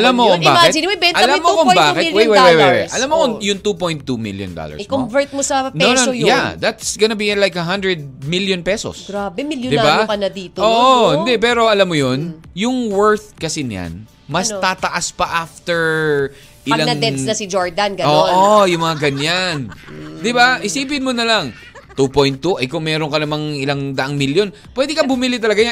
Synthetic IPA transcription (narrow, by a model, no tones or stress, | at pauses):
ʔɐlamːokombaːkɪiwɛbɛʔɐlamːokombaːkɛtwɛjwɛwɛjwɛjwɛ̰ʔɐlamːokojʊŋt̪upojnt̪ːumḭljo̰nd̪o̰lɐ̰ɹɪkomvɛɹt̪̚mosɐnonojjad̪ɐt̪sɡɐnɐbiɪnlajkɐɦɐ̃nd̪ɹɛd̪̚miljonpɛso̰sɡɾabɛmɪljd̪ɪbakɐnɐd̪iːt̪oːʔohɪ̃nd̪ɛpɛːɾoʔɐlamːojonjʊŋwɛɹθkɐsɪnja̰n | mɐst̪aːt̪ɐʔaspɐʔaft̪ɛɹ | ʔɪlanɐŋɛnɐsɪd͡ʒoɹd̪ɐnɡɐoːʔojʊŋmɐŋaɡɐɲand̪ɪbaʔɪsiːp̬ɪnmonɐlɐŋ | t̪upojnt̪ːuʔɐjkʊŋmɛːɾonkɐnɐmaŋɪlɐŋd̪ɐʔɐŋmiljon | pwɛd̪ɪkɐbʊmɪlɪt̪ɐlɐɡaja